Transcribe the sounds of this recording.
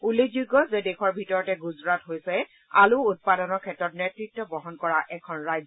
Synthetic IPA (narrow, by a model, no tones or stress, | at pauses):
ulezuɡːɔzɛdɛxɔɹbʱitɔɹɔtɛɡuzɹatɦojsɛ | a̰luut̚padɔnɔɹkʰɛtɹɔtnetɹitːɔbɔɦɔnkɔɹaʔɛkʰɔnɹajzɔ